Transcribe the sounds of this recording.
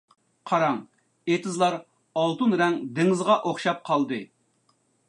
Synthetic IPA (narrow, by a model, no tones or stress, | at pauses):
qʰɑɾɑŋ | et̪ʰɨzlˠɑɾ | ɑlˠt̪unɾɛŋd̪ɪŋɨzʁɑʔoχʃɑp̚qʰɑlˠd̪ɨ